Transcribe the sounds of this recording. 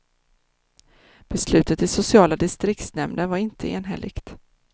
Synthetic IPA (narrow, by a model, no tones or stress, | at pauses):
b̥ɛslʉ̟ːt̪ət̪ɪsʊsɪɑːlad̪ɪst̪ɾɪkt̪snɛmnənvaɾɪnt̪ʰəḛːnɦɛ̰lʔɪ̰kt̪